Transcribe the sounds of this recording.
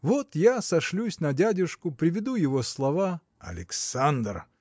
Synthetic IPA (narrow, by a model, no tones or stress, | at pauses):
vot̪jasɐʂlʲusʲnɐdʲadʲɪʂkʊpɾʲɪvʲɪd̪ujɪvoslˠɐva | ɐ̰lʲɪksand̪r